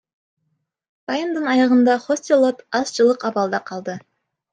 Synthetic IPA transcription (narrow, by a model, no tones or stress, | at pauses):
bɑjənd̪ənɑjɑʁənd̪ɑχosʲt̪ilˠot̪ɑsʒəlˠəqɑbɑlˠd̪ɑqʰɑlˠd̪ə